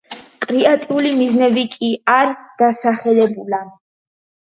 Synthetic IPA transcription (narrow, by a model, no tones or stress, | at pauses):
kʼɾiat̪ʼiulimiznɛbikʼiaɾɡ̪̥asaχɛlɛbula